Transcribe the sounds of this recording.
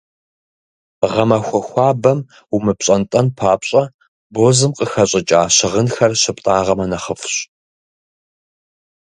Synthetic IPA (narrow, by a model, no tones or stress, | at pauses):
ʁɐmɐxʷɔxʷɑːbɐm | umɨpɕʼɐntʼɐnpʰaːpɕʼɐ | boːzɨmqʼəxɐɕʼɪt͡ʃʼaːɕɪʁənxɐrɕɐptʼaːʁɐmɐnɐχəfɕ